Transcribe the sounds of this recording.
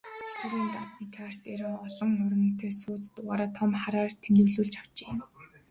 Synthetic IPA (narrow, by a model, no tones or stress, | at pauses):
tat̪ə̆ɾiːnt̪ansniːkʰar̥t̪eɾɔːɔɮɞ̆ŋʊrə̆nt̪ʰeːsʊːt͡st̪ʊʁaːɾaːt̪ʰɔmχaɾaːrt̪ʰemnɘ̆ɣɮuːɮt͡ɕaw̥t͡ɕe̥ː